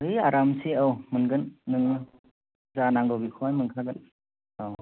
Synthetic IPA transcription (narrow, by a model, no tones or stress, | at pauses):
ɯjaɾamsiawmɯnɡɯnːɯŋɯ | zanaŋɡobikʰoajmɯŋkʰaɡɯn | aw